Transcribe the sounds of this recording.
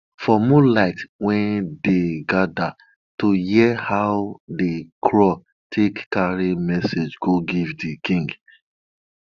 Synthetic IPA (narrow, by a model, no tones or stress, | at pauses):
fɔmulaɪtwɛ̃ndeɡada | tohiɛhaʊdekʰɹɔ | tʰekːaɹimɛsed͡ʒɡoɡivdikĩŋɡ